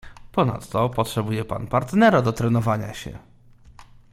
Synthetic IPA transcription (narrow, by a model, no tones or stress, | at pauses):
pɔna̰t̪ːɔpɔtʂɛbujɛpa̰npaɾt̪nɛɾad̪ɔt̪ɾɛnɔvaɲa̰ɕɛ̰